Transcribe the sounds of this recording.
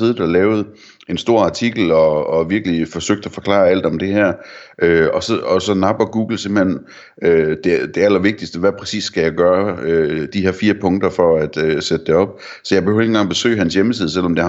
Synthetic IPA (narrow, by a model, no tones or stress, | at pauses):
iðˠd̥ælɛːʊð̩ˠ | e̝nsd̥o̝ɐ̰ɑ̈t͡sʰiɡ̥l̩ɒ̽ːʋiɐɡ̥əlifɒ̽søɡ̥̚d̥æfɒ̽kʰlɑ̰̈ːæl̰d̥ɒ̽md̥e̝hæɐ̰ʔøɒ̽sɒɒsɒ̽nɑ̈b̥ɐɡ̥uːɡ̥l̩se̝mb̥l̩hen̰ | ød̥e̝d̥e̝æl̰ɐʋe̝ɡ̥̚d̥isd̥əʋæpʰʁɛsḭːsːɡ̥æjɑɡ̥ɶːɐød̥iheɐfiːɐpʰɔ̽ŋd̥ɐfɒ̽æd̥øsed̥əd̥eɒ̽b̥̚ | sɒ̽jɑ̈b̥eøʊɐenŋɡɑ̈ŋ̰b̥e̝sø̰ːɪɦænsjeməsið̞ˠəsel̰ɒ̽md̥e̝